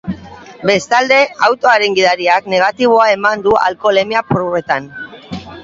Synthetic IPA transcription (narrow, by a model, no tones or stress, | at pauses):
be̞st̪ald̪e̞awt̪o̞aɾeŋɡiðaɾiakne̞ɣ̞at̪iβ̞o̞ae̞mand̪ua̰lko̞le̞miapɾoet̪an